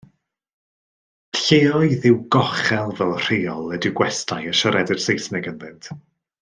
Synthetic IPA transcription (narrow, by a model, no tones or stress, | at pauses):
ɬeːɔɨðɪwɡɔχɛlˠvɛlˠr̥eːɔlˠɛdɪɡwɛstʰajəʃəɾɛdɪr̥sejsnɛɡənvɪnt